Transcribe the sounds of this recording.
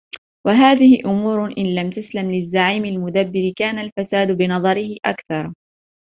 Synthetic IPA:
waɦaːðɪhɪʔʊmuːɾʔɪnlamt̪aslamlɪzːaʕiːmɪlmʊd̪abːɪɾkaːnalfasaːd̪bɪnɑðˤɑɾɪhɪʔa̰kθɑɾˤ

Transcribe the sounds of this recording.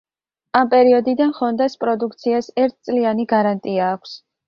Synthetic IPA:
ampʼɛɾiɔd̪id̪anχɔnd̪aspʼɾɔd̪uk̚ʰt̪sʰiasɛɾt̪̚ʰt̪sʼlianiɡaɾant̪ʼiaːkʷʰs

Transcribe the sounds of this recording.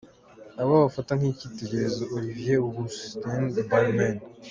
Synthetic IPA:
aβaβafataŋhicite̞ɟe̞ɾe̞zoʔoɾivjeɡustendbanmen

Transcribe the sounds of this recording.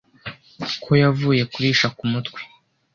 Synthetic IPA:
kʰo̞javuːje̞kuɾiːʃakumutkwi̥

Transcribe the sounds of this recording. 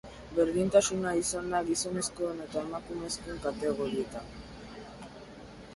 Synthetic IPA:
beɾðint̪asunaisand̪aɡiso̞ne̞skoene̞t̪aemakume̞skoeŋkat̪e̞ɣo̞ɾie̞t̪an

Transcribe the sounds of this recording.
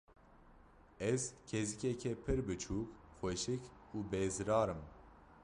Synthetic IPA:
ɛzcʰezikɛkʰɛpʰɨɾbɨt͡ʃʰuːkxʷɛʃɨkuːbezɨɾɑːɾɨm

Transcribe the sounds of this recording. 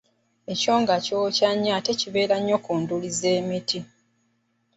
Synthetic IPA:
e̞co̞ːŋɡaco̞caɲːate̞ciβe̞ːɾaɲːo̞kuːndulize̞ːmiti

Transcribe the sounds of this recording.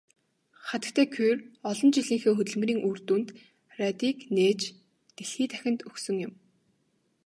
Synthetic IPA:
χat̪ə̆kt̪ʰæːkʰurɔɮɞ̆nt͡ɕiɮiːŋxeːxɵt̪ɵ̆ɮm̆riːŋuːrt̪uːnt̪ | rat̪iːkneːt͡ɕ | t̪eɮxiːt̪ʰæxʲɪ̆nt̪ɵxsɵ̆ŋjʊ̆m

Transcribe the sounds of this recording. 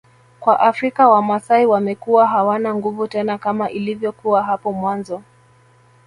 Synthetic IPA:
kwaʔafɾikawamasaiwamɛkuwaɦawanaŋɡuvutɛnakamaʔilivjɔkuaɦapɔmwanzɔ

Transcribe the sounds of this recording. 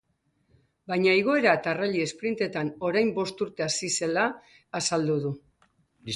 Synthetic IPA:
bajɲaiɣ̞o̞e̞ɾat̪araʎie̞spɾint̪e̞t̪ano̞ɾajmbo̞st̪uɾt̪e̞asise̞laː | sald̪uð̞u

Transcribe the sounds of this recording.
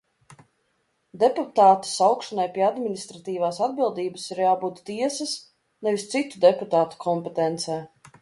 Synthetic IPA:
d̪ɛput̪aːt̪i̥sawkʃɔnajpʲiɛad̪minist̪ɾat̪iːvaːsad̪bilˠd̪iːbəsiɾjaːbuːt̪t̪ːiɛsɐs | nɛvist̪sit̪ud̪ɛput̪aːt̪u̥kʰɔmpɛt̪ɛnt̪sɛː

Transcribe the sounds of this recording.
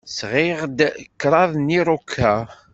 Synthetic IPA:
sʁɪʁd̪kːɾˤɑðˤniɾˤukʰːæ

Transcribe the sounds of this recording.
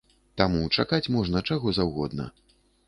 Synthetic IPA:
t̪amut͡ʂakat͡sʲmɔʐnɐt͡ʂaɣɔzawɣɔd̪nɐ̰

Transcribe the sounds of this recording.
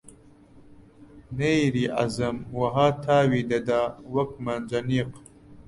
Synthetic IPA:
nejɾiːʔa̰zɐmwɐɦaːt̪ʰaːwid̪ed̪aːwɐkmand͡ʑɐniːq

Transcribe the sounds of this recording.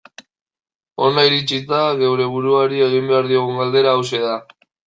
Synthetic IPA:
o̞naiɾit͡sit̪aðe̞wɾe̞βuɾuaɾie̞ɣ̞imbe̞aɾðio̞ɣ̞uŋɡald̪e̞ɾaːwse̞ða

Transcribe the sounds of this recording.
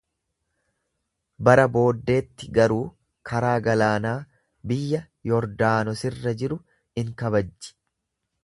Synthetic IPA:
bɐɾɐbo̞ːd̪ːe̞ːt̪ːɪɡɐɾuː | kʰɐɾaːɡɐlaːnaː | bɪjːɐ | jɔɾd̪aːnɔsɪrːɐd͡ʒɪɾʊ | ɪŋkɐβɐd͡ʒːɪ̥

